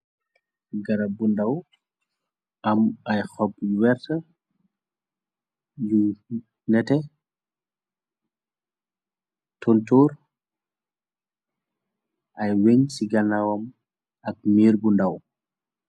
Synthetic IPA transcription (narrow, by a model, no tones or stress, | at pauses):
ɡɐɾɐbundaw | ɐmɐjxɔp̚ːwɛɾtɐ | ju | nɛtɛ | tɔntɔːɾ | ʔɐjweɲsiɡɐnawɐm | ɐk̚miːɾbundaw